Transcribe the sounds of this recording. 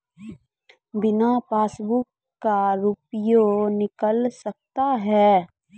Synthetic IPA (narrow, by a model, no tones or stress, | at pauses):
bɪnapaːsbʊkː | aɾuːpjonɪkəlsɐk̚t̪aɦɛː